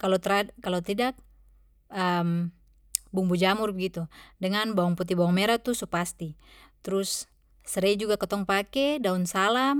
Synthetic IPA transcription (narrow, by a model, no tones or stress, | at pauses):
kalot̪ɾakːalot̪idak̚ | əm | bumbud͡ʒamurbəɡit̪udəŋanbaɔŋput̪̬ibaɔŋmɛɾat̪usupast̪it̪ɾusː | əɾɛd͡ʒuɡakɔt̪ɔŋpakɛdaunsalam